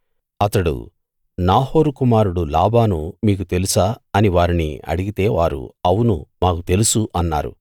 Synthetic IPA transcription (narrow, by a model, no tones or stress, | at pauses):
ɐt̪ɐɽṵ | naːho̞ːɾukumaːɾuɽulaːbaːnumiːk̬ut̪e̞lusaːɐniʋaːɾinḭɐ̰ɽiɡit̪e̞ːʋaːɾṵɐwunṵmaːkut̪e̞lusuʔɐnːa̰ːɾṵ